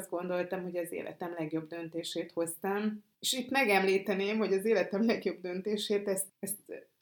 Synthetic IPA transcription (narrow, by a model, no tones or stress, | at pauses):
zd̪̚ɡo̞nd̪o̞lt̪ɒmho̞ɟɒzḛːlʔɛ̰t̪ɛmlɛɡjo̞bd̪ø̞nt̪eːʃeːt̪ho̞st̪ɒm | eʃit̪mɛɡɛmliːt̪ɛneːmho̞ɟɒzeːlɛt̪ɛmlɛɡjo̞bd̪ø̞nt̪eːʃeːt̪ɛst̪ɛst̪